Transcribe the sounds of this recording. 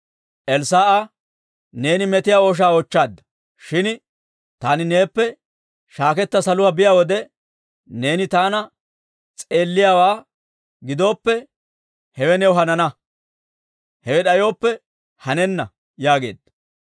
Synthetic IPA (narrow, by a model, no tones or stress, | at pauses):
ʔɛlsaːʔa | ne̞ːnɪmɛt̪ɪjaːoːʃ̬aːɔt͡ʃːaːd̪ːɐ̥ | ʃɪn | t̪aːnɪne̞ːpːɛ | ʃaːkɛt̪ːɐsɐlʊwaːbɪjaːwɔd̪ɛ | ne̞ːnɪt̪aːnɐ | t͡sʼe̞ːlːɪjaːwaː | ɡɪd̪o̞ːpːɛ | hɛwɛnɛwɦɐnɐnɐ | hɛwɛɗɐjo̞ːpːɛ | hɐnɛnːɐ | jaːɡe̞ːd̪ɐ